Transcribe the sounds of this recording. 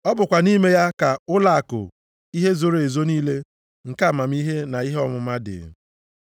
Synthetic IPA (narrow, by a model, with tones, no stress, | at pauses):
ɔ˦bʊ˨kʷa˨ni˦me˦ja˦ka˨ʊ˦la˦a˨kʊ̰˨ | i˦ɦe˦zo˦ɾe˨zo˦niː˦le˦ | ŋ̩˨ka˦˨ma˨m˦i˦ɦe˦na˨i˦ɦe˦ɔ˦mʊ˨ma˦dɪ̰˨